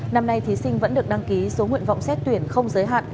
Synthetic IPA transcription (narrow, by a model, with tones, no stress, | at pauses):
na˧mna˧jt̪ʰi˨˦sï˧ŋvə̰˧˥nɗɨ˨˩ək̚ɗa˧ŋki˨˦so˨˦ŋwḭ˧˨ənva̰˧˨wŋ͡msɛ˦˥t̚t̪wi˧˩ənxə˧wŋ͡mzəː˨˦jɦa̰ː˧˨ʔ